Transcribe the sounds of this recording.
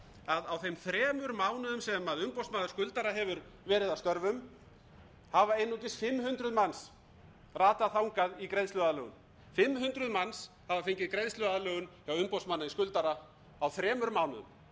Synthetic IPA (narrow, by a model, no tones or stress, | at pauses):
aðawθejmθɾɛːmʏɾmaːwnʏðʏmsɛmaðʏmpowsmaːðʏɾ̥skʏlt̪aɾaɦɛvʏɾ | vɛːɾɪðawst̪œɾvʏm | havaejnːucɪsfɪmːhʏnt̪ɾʏðmans | raːt̪aθawŋkaðikɾejðst̪lʏaðalœːɣʏm | fɪmːhʏnt̪ɾʏðmans | havafeɲcɪðkɾejðslʏðaðalœːɣʏnçawʏmpowsmanːaiskʏlt̪aɾa | awθɾɛːmʏɾmaːwnʏ̰ðʏ̰m